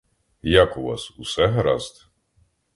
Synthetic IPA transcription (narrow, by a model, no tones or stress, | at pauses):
jakʊʋɑ̰susɛɦɾɑ̰zt̪